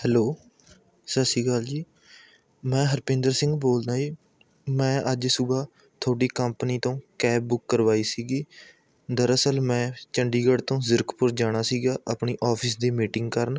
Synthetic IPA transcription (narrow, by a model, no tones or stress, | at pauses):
hɛːloː | səsiːɡəld͡ʒiː | mɛ̃ːɦəɾpẽːnd̪əɾsɪ̃ŋɡboːld̪aːd͡ʒiː | mɛ̃ːʔəd͡ʒsʊbaː | t̪ʰoːɽiːkəmpniːt̪õːkɛːp̚bʊkːəɾʋaːiːsiːɡiː | d̪əɾəsəlmɛ̃ːt͡ʃəɳɖiːɡəɖt̪õːzəɾkpʊɾd͡ʒaːɽ̃aːsiːɡaːʔəpɳiːʔɔːpʰɪsd̪iːmiːʈɪ̃ŋɡkəɾən